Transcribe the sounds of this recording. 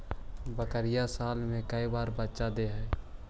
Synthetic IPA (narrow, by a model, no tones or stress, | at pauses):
bəkəɾɪjasaːlmẽkəibaːɾbətːʃad̪eɦɛː